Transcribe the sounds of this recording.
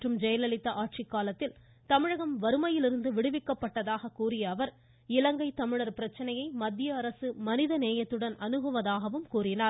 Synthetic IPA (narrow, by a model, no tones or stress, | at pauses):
ʈrɯmd͡ʒɛjɐlɐɭɪt̪ːɐʔaːʈ̚t͡ʃɪkːaːlɐt̪ːɪl | t̪ɐmɪɻɐɣɐmʋɐɾɯmɐjɪlɪɾɯnd̪ɯʋɪɽɯʋɪkːɐpːɐʈːɐðaːɣɐkuːɾɪjɐːʋɐɾ | ɪlɐŋɡɐɪt̪ːɐmɪɻɐɾpɪɾɐt͡ʃːɐnɐjɐɪmɐd̪ːɪjɐːɾɐsɯmɐnɪðɐneːjɐt̪ːɯɽɐnɐnɯɣɐʋɐðaːɣɐʋɯmkuːɾɪnaːɾ